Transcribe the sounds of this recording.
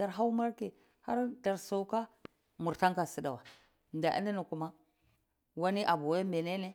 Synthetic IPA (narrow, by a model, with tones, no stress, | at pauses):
da˨ɾɦa˦wma˦ɾke˨ | ha˦ɾda˨ɾso˨˦ka˦ | mu˨ɾta˦ŋka˨si˦da˨wa˨ | nda̰˨ʔḭ˦ni˦ni˨ku˦ma˦ | wa˦ni˦ʔa˨bu˨we˦me˨ne˦ne˦